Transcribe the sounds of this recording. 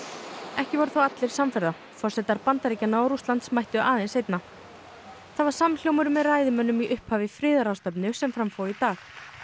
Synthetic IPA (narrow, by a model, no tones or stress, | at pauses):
ɛhcɪvɔɾʏθawat̪lɪɾ̥samfaɾða | fɔr̥sɛt̪aɾpant̪aɾicanaːwɾust̪ant̪smajht̪ʏʔaːðejnsejt̪na | θaðvaɾ̥saml̥jowmʏɾʏmːɛðraːjðɪmœnːʏmiʔʏhphaːvɪfɾɪːðaɾawst̪œp̬nʏsɛmfɾamfowit̪aːx